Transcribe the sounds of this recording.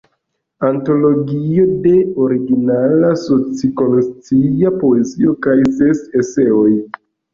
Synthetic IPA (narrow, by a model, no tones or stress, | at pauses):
anto̞lo̞ɡio̞de̞o̞ɾiɡinalaso̞t͡siko̞nost͡siapo̞e̞zio̞kajse̞se̞se̞o̞j